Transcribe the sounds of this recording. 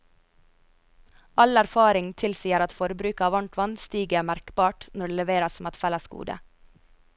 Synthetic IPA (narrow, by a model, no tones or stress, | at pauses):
ʔɑlæɾfɑːɾɪŋt̪ʰɪlsiːəɾɑt̪fɔɾbɾʉːkɑːʋɑɳʈ̪ʋɑnst̪yːɡəæːmæɾkbɑːʈnɔɖeːlɛʋeːɾɑsmɛt̪fɛləskṵːd̪ə̰